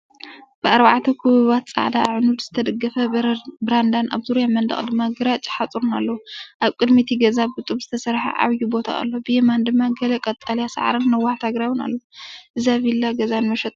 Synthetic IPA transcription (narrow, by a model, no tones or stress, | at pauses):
b̥ɨaɾbaʕt̪ʰɐkʰɨβɨβat̪t͡sʼa̰ʕd̪aːʕnud̪z̥ɨt̪ʰɐd̪ɐɡɐfɐbɾand̪anʔa̰βzuɾjamɐnd̪ɐ̰χʼd̪ɨmːaɡɨɾat͡ʃʼi̥ħat͡sʼuɾunalːɐwuʔaβkʼɨd̪mit̪ʰiɡɐzabɨt̪ʼuβz̥ɨt̪ʰɐsɐɾħa̰ʕa̰βjubo̞t̪ʰa̰ʔa̰lːobɨjemand̪ɨmːaɡɐlekʼɐt̪ʼaljasa̰ʕɾɨnːɐwaħt̪ʰaɡɾawɨna̰lːoʔɨzaβilːaɡɐzanmɐʃɛt̪ʼ